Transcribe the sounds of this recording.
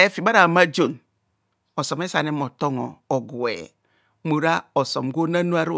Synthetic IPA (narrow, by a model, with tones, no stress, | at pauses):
e˨fi˨ba˦ɾa˨ma˦d͡ʒo˨n | o˨so˨m˦e˦sa˨ne˦mo˨to˦ŋo̰˨o˨ɡwḛ˨ | mo˨ɾa˦o˨so˨mɡo˦na˦nu˦a˦ɾu˦